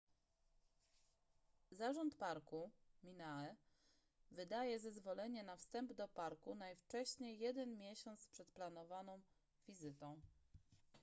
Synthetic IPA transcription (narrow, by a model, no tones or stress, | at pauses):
zaʐɔnt̪paɾkumʲinaɛ | vɘd̪ajɛzɛzvɔlɛɲɛnafst̪ɛmbd̪ɔpaɾkunajft͡ʂɛɕɲejːɛd̪ɛnmʲjɛɕɔnt̪spʂɛt̪planɔvanɔ̃w̃ | vʲizɘt̪ɔ̃w̃